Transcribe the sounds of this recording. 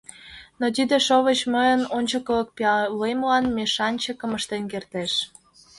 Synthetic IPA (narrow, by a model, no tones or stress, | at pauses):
not̪id̪eʃoβət͡ɕməjənonʲt͡ɕəkələk̚peɑlemlɑnmeʃɑnʲt͡ɕəkə̆məʃt̪enkert̪eʃ